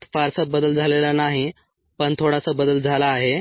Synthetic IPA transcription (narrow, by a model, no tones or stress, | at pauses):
t̪faɾsəbəd̪əld͡zʱalelanaɦi | pəɳt̪ʰoɽasabəd̪əld͡zʱalaːɦe